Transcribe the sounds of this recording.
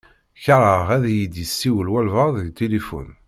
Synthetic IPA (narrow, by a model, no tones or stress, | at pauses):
çɾˤəʁæðjid̪jəsːiwəlwælvəʁðəɡt̪elifṵn